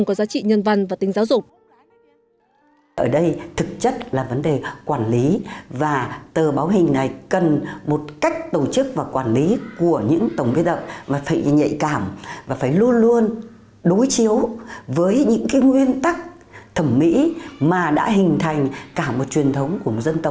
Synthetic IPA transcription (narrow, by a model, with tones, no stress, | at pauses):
ŋkɔ˨˦zaː˨˦t͡ɕḭ˧˨ɲə˧nva˧nvaː˨˩t̪ï˨˦ŋ̟zaː˨˦wzʊ˨˩k͡p̚ | ʔəː˧˩ɗə˧jt̪ʰɨ˨˩k̚t͡ɕə˦˥t̚laː˨˩və˨˦nɗe˨˩kwaː˧˩nli˨˦vaː˨˩t̪əː˨˩ɓaː˨˦wɦï˨˩ŋ̟na˨˩jkə˨˩nmo˨˩t̚ka˦˥jk̟̚t̪o˧˩t͡ɕɨ˦˥k̚vaː˨˩kwaː˧˩nli˨˦ku˧˩əɲɨ̰˧˥ŋt̪ə˧˩wŋ͡mvi˨˦t̪̚ə̰˧˨maː˨˩faː˧˩jɲə̰˧˨jkaː˧˩mvaː˨˩faː˧˩jlu˧ənlu˧ən | ɗo˨˦jt͡ɕi˨˦əwvəː˨˦jɲɨ̰˧˥ŋkaː˨˦jŋwi˧ənt̪a˦˥k̚ | t̪ʰə˧˩mːḭ˧˥maː˨˩ɗa̰ː˧˥ɦï˨˩ŋ̟t̪ʰa˨˩jŋ̟kaː˧˩mo˨˩t̚t͡ɕwi˨˩ənt̪ʰə˨˦wŋ͡mku˧˩ə˩mo˨˩zə˧nt̪ə˨˩w̚